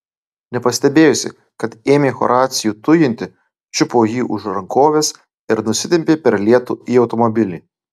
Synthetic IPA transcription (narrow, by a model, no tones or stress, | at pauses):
nʲɛpɐsʲt̪ʲɛbʲeːjʊsʲɪ̰ | kɐt̪eːmʲeːxɔ̰ɾɑːt̪sʲɪjuːt̪ʊjɪnʲt̪ʲɪ | t͡ʃʲʊpoːjiːʔʊʃɾɐŋkoːʋʲeːs | ɪɾnʊsʲɪt̪ʲɛmʲpʲeːpʲɛɾlʲiɛt̪uːiːɒʊt̪ɔmɔbʲɪlʲiː